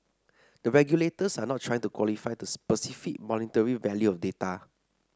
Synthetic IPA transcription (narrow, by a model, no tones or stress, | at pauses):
d̥əɹɛɡjuletəsanɔt̚tːʰɹajɪ̃ŋtukwɔlifajdəspəsifik̚mɔnitəɹivɛljuɔfdeta